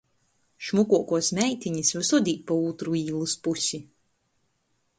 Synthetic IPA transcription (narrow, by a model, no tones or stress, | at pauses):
ʃmukuɔkuɔsmʲɛjt̪ʲiɲisvaɾsud̪ʲiːt̪̚pauːt̪ɾuiːlˠuspusʲi